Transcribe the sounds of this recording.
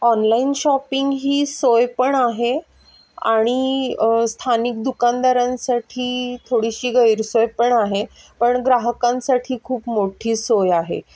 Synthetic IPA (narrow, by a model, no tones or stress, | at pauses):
ɔnlainɕɔpiŋɡɦiːsojpəɳaɦe | a̰ɽ̃ist̪ʰanik̚d̪ukand̪aɾãnsaʈʰiːt̪ʰoɽiɕiːɡəjɾsojpəɳaɦe | pəɳɡɾaɦəkãnsaʈʰiːkʰuːpmoʈʰiːsojaɦḛ